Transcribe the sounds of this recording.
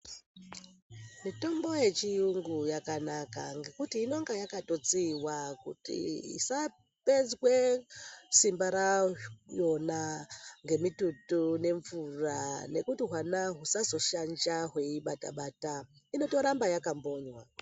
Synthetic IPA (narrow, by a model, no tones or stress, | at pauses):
mito̞mbo̞je̞t͡ʃijuŋɡujakanakaŋɡe̞kutiːno̞ŋɡajakatot͡siwakṵtḭḭsa | ped͡zwe | simbaɾajo̞naŋɡe̞mitutune̞ɱvurane̞kutiɦwanaɦusazo̞ʃand͡ʒaɦwe̞iɓata̰ɓaːta | ino̞to̞ɾambajakambo̞ːɲwa